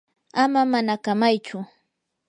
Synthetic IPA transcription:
amamanakamajt͡ʃʊ

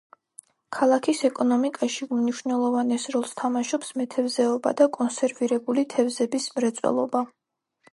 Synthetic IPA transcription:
kʰalˠakʰisɛkʼɔnɔmikʼaʃimniʃnɛlˠɔvanɛsɾɔlˠst̪ʰamaʃɔpsmɛt̪ʰɛvzɛɔba̰d̪akʼɔnsɛɾviɾɛbulit̪ʰɛvzɛbismɾɛt̪sʼwɛ̰lˠɔba

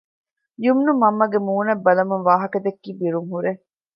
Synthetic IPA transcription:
jumnumɐmːɐɡemuːnɐbːɐlɐmuŋʋaːɦɐkɐd̪ekːiːbiɾuŋɦuɾe

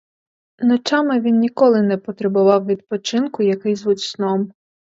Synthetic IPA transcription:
nɔt͡ʃɑmɪʋʲinnʲikɔlˠɪnɛpɔt̪ɾebʊʋɑwʋʲid̪̚pɔt͡ʃɪnkʊjɐkɪjzʋutʲsnɔm

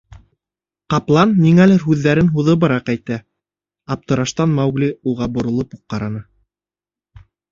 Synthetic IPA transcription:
qɑplˠɑnːiŋælɘɾɦʉðːæɾɘnɦuðɤbɤ̆ɾɑqæjt̪æ | ɑp̚t̪ɤ̆ɾɑʃt̪ɑnmɑwɡlʲiuʁɑbŏɾŏlˠɤpuq̚ːɑɾɑnɤ

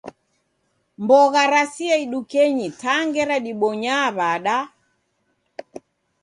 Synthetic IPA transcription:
mbɔɣaɾasiaiɗukɛɲitaŋɡɛɾaɗiɓɔɲaβaɗa

